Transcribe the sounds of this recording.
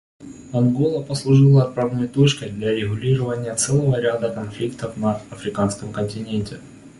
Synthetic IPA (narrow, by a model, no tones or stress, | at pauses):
ɐnɡolˠəpəslˠʊʐɨlˠəɐt̪̚pɾavnojt̪ot͡ɕkəjd̪lʲaɾʲɪɣʊlʲiɾəvənʲɪjət̪sɛlˠəvəɾʲad̪əkɐnflʲikt̪əfnɐɐfɾʲɪkanskəmkənʲtʲɪnʲenʲtʲɪ